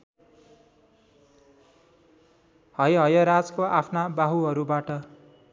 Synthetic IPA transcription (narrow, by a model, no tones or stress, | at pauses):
hʌjɦʌjʌɾad͡zkoapʰnabaɦuɦʌɾubaʈʌ